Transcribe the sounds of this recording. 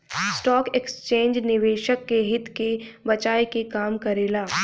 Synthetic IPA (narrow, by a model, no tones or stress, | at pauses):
sʈɔːkekst͡ʃẽːɲd͡ʒnɪʋeːʃəkːeɦɪt̪kebɐt͡ʃaːekekaːmkɐɾeːlaː